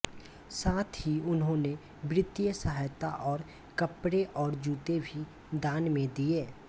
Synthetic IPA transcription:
saːt̪ʰɦiʊnɦõne | bɾɪt̪jəsəɦajt̪aʔɔːɾ | kəpɾeʔɔːɾd͡ʒuːt̪ebʱi | d̪aːnmẽd̪ieː

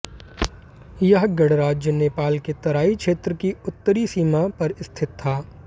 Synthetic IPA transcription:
jɐɦɡɐɽɾaːd͡ʒjəneːpaːlket̪ɐɾaːikʃʰeːt̪ɾəkiʊt̪ːəɾisiːmapɐɾɪst̪ʰɪt̪ʰːaː

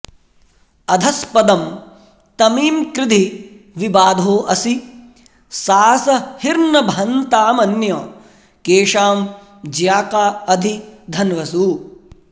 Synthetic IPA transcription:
ɐd̪ʱɐspɐd̪ɐm | t̪ɐmiːmkɾɪd̪ʱi | ʋibaːd̪ʱoːʔɐsi | saːsɐhiɾnɐbʱɐnt̪aːmɐnjɐː | keːʂaːm | d͡ʒjaːkaːɐd̪ʱid̪ʱɐnʋɐsuː

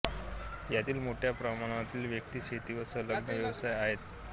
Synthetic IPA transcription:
jat̪iːlmoʈʰjapɾəmaɽ̃at̪iːlʋjək̚t̪iːɕet̪iːʋəsələɡnəʋjəʋsajaɦet̪

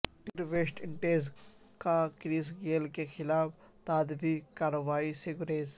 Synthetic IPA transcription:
ʈɪɾʋeːʃʈɪɳʈeːz | kakɾiːsɡeːlkexɪlaːf | t̪aːd̪bikaːɾɐʋaːisɪɡʊɾeːz

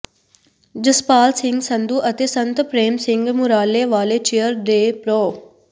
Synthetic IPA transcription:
d͡ʒəspaːlsɪŋɡsənd̪uːʔət̪eːsənt̪pɾeːmsɪŋɡmʊɾaːleʋaːleːt͡ʃijəɾd̪eːpɾoː

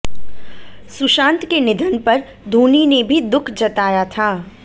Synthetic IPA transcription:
sʊʃãːnt̪kenɪd̪ʱənpɐɾ | d̪ʱoːninebʱid̪ʊkʰd͡ʒɐt̪aːjat̪ʰaː

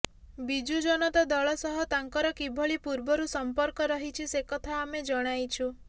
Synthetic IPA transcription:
bid͡ʒud͡ʒɔnɔt̪ɔd̪ɔɭɔsɔɦɔt̪aŋkɔɾɔkibʱɔɭipuɾbɔɾusɔmpɔɾkɔɾɔɦit͡ʃʰisekɔt̪ʰaːmed͡ʒɔɽ̃ajt͡ʃʰu

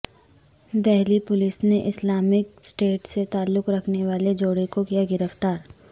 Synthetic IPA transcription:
d̪ɛɦlipʊlɪsneʔɪslaːmɪksʈeːʈset̪aːlːʊkɾɐkʰneʋaːled͡ʒoːɽekokijaɡɪɾəft̪aːɾ

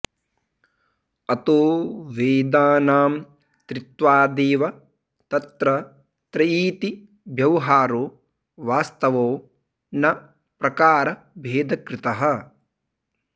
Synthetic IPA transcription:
ɐt̪oːʋeːd̪aːnaːm | t̪ɾit̪ʋaːd̪eːʋɐ | t̪ɐt̪ɾɐ | t̪ɾɐiːt̪i | bʱjɐwɦaːɾoː | ʋaːst̪ɐʋoː | nɐ | pɾɐkaːɾɐ | bʱeːd̪ɐkɾɪt̪ɐɦɐ̆

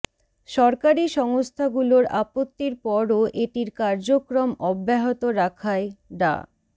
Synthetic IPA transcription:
ʃɔɾkaɾiʃɔŋost̪ʰaɡuloɾapot̪ːiɾpɔɾoʔeʈiɾkaɾd͡ʑokɾomɔbːeɦot̪oɾakʰaeɖa̰

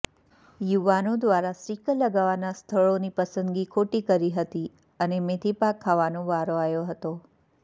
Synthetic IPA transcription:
juʋanod̪ʋaɾasɾikələɡaʋanast̪ʰəɭonipəsənd̪ɡikʰoʈikəɾiɦət̪i | ənemet̪ʰipakʰːaʋanõʋaɾoajoɦət̪o

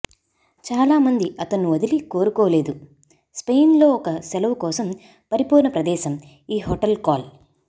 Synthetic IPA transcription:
t͡ʃaːlaːmɐnd̪iɐt̪ɐnːuʋɐd̪iliko̞ːɾukɔːle̞ːd̪u | spejnlo̞ːɔkɐsɛlɐʋukɔːsɐm | pɐɾipuːnɐpɾɐd̪ɛːʃɐm | iːɦoːʈɐlkaːl

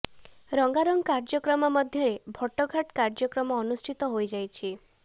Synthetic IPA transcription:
ɾɔŋɡaɾɔŋɡkaɾd͡ʒɔkɾɔmɔmɔd̪ʱjɔɾebʱɔʈːɔɡʱaʈkaɾd͡ʒɔkɾɔmɔːnusʈʰit̪ɔɦojd͡ʒajt͡ʃʰi

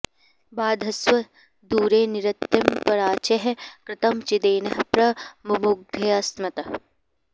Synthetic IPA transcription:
baːd̪ʱɐswɐ | d̪uːɾeːniɾɐt̪jɐmpɐɾaːt͡ʃeɦɐkɾɪt̪ɐmt͡ʃid̪eːnɐɦpɾɐmumuɡʱɐɐsmɐt̪ɐ

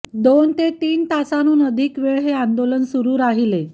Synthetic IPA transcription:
d̪ont̪et̪iːnt̪asanuːnəd̪ʱiːkʋeɭɦeand̪olənsuɾuːɾaɦile

